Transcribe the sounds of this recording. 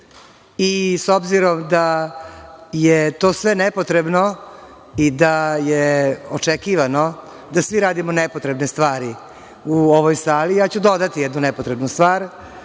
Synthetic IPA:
isobziɾo̞md̪a | jet̪oːsʋenɛpot̪ɾe̞bno | id̪ajeot͡ʂekiːʋano̞ | d̪asʋiɾaːd̪imonɛpo̞t̪ɾe̞bnest̪ʋaːɾi | uoʋojsaːliat͡ɕud̪o̞d̪at̪ijɛd̪nunɛpot̪ɾe̞bnust̪ʋaːɾ

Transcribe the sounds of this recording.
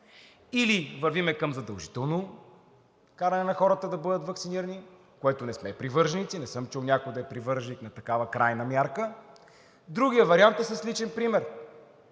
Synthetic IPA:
ilivɐɾvimɛkɐmzɐd̪ɐlˠʒi̥t̪ɛlˠno | kaɾɐnɛnɐxɔɾət̪əd̪ɐbɤd̪ət̪vɐksiniɾəni | koɛt̪ʊnɛsmɛpɾivɤɾʒnit̪sinɛsɤmt͡ʃulˠnʲakʊjd̪ɐɛpɾivɤɾʒniknɐt̪ɐkavəkɾajnəmʲjaɾkə | d̪ɾuɡʲijəvɐɾiant̪ɛsəslit͡ʃɛnpɾimɛɾ

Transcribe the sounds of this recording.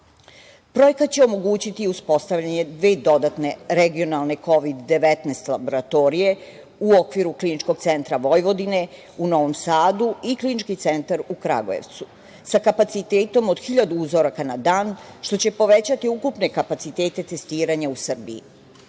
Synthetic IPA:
pɾo̞je̞kat̪̚t͡ɕeo̞mo̞ɡuːt͡ɕit̪iuspo̞st̪aʋʎaɲe̞d̪ʋeːd̪o̞d̪at̪ne̞ɾeɡio̞nalˠne̞ko̞ʋid̪ːe̞ʋet̪nest̪labo̞ɾat̪o̞ːɾije̞ | uokʋiɾuklinit͡ʃko̞ɡ̥̚t̪se̞nt̪ɾaʋo̞jʋo̞d̪ine̞ | uno̞ʋo̞msaːd̪uiklinit͡ʃkit̪se̞nt̪aɾukɾa̰ɡo̰jḛʋt̪su | sakapat̪sit̪eːt̪o̞mo̞d̪̥xiʎad̪uuzo̞ɾakanad̪aːnʃt̪o̞t͡ɕe̞po̞ʋe̞t͡ɕat̪iukupne̞kapat̪sit̪e̞ːt̪e̞t̪e̞st̪iːɾaɲausr̩bḭː

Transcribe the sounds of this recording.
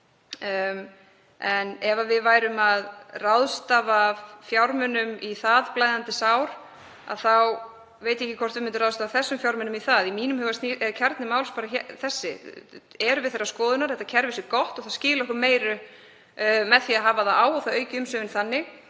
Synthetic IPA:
ɛnɛvavɪðvaːjɾʏmaðrawðst̪avavfjawɾmʏnʏmiθaðplaːjðant̪ɪsawɾ̥ | a̰ðθaw | vejt̪ɛhcɪkʰvɔr̥t̪vɪmɪnt̪ʏɾrawðst̪aːvaθɛsːʏmfjawɾmʏnʏmiθaðimiːnʏmhœɣvast̪niɛcʰɛɾt̪nɪmaːwlspaːɾaçɛθɛsːɪ̰ | ɛɾʏvɪðθerːaskɔːðʏnaɾ̥θɛht̪ːacʰɛɾvɪsʏkɔht̪ɔɣθascɪːlaɔhkʏɾmeːjɾʏ | mɛðθiaðɦaːvaðaaːwɔθaœːɥcɪʏmsœːvɪnθanːɪ

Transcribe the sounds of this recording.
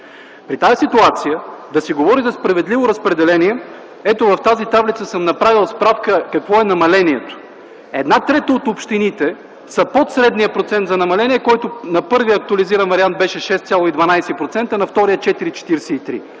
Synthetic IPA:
pɾit̪ajəsit̪uat̪sijəd̪ɐsiɡovɔɾizɐspɾɐvɛd̪livoɾɐspɾɛd̪ɛlɛniɛ | ɛt̪ovɐft̪azit̪avlit̪səsəmnɐpɾavilˠspɾafkəkɐkvɔɛnɐmɐlɛniɛt̪o̥ | ɛd̪nat̪ɾɛt̪əot̪opʃt̪init̪ɛ | sɐpot̪sɾɛd̪nijəpɾot̪sɛnt̪zɐnɐmɐlɛniɛkɔjt̪onɐpɤɾvijəːk̚t̪uɐliziɾɐnvɐɾiant̪̚bɛʃɛʃɛst̪sʲalˠoid̪vɐnajsɛpɾot̪sɛnt̪ənɐft̪ɔɾijət͡ʃɛt̪iɾit͡ʃɛ̥t̪iɾsɛit̪ɾḭ

